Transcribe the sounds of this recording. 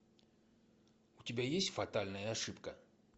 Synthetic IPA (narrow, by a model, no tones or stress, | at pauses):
ʊtʲɪbʲajesʲtʲfɐt̪alʲnəjəːʂɨpkə